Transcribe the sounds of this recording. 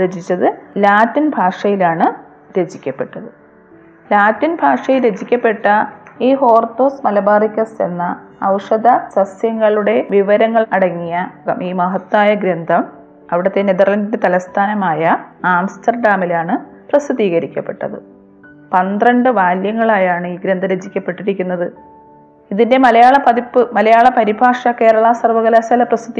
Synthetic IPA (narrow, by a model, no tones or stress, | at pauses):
ɾed͡ʑit͡ɕːɐðɨlaːtːinbʱaːʂɐjilaːɳɨ | ɾe̞d͡ʑikʲːɐpːe̞ʈːɐðɨ | laːtːinbʱaːʂɐjilɾed͡ʑikʲːɐpːe̞ʈːɐiːɦo̞ːrt̪oːsmɐlɐbaːrikʲːɐse̞̰nːɐːwʂɐd̪ʱɐsɐsjɐŋːɐɭuɽe̞ʋiʋɐɾɐŋːɐɭɐɽɐŋːijɐɐ̰miːmɐɦɐt̪ːaːjɐɡɾɐnd̪ʱɐm | ɐʋiɽɐt̪ːeneðɐrlɐndindet̪ɐlɐst̪ʰaːnɐmaːjɐaːmstɐrɖaːmilaːɳɨ | prɐsɨðiːɣɐɾikʲːɐpːe̞̥ʈːɐ̰ðɨ̰ | pɐnd̪rɐɳɖɨʋaːljɐŋːɐɭaːjaːɳɨiːɡɾɐnd̪ʱɐɾed͡ʑikʲːɐpːe̞ʈːiɾikʲːunːɐðɨ | iðinde̞mɐlɐjaːɭɐpɐðipːɨmɐlɐjaːɭɐpɐɾibʱaːʂɐke̞ːɾɐɭaːsɐrʋɐɣɐlasɐlɐprɐsɨd̪i